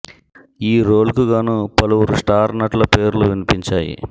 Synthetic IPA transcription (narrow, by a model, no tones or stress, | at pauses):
iːɾoːlkuɡaːnupɐluwuɾusʈaːɾnɐʈlɐpe̞ːɾluʋinipiɲt͡ʃaːjḭ